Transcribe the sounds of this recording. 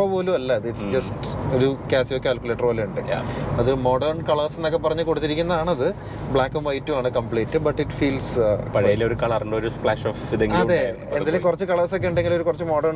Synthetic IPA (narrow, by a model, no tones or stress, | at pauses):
ɐpoːlumɐlːɐːðɨiʈsd͡ʑɐsto̞ɾukaːsijokːeaːlkuleːʈːɐrpoːluuɳɖɨ̰ɐðumo̞ːɖɐrɳkɐɭɐːsenːokːep̬ːɐrɐɲːɨko̞ɽut̪ːiɾikʲːunːɐðaːɳɐðɨ | bɭaːkːɐmʋɐjtːuaːɳɨkɐmpɭeːtːɨbɐʈːiʈfiːlspɐɻɐjilo̞ɾukɐːɭɐrinɖɐoɾupɭaːʂoːfiðeŋɡɐðe | enːilekurɐt͡ɕːɨkɐɭɐsok̬ʲːe̞uɳɖe̞ŋɡilo̞ɾukurɐt͡ɕːɨmo̞ːɖɐrɳ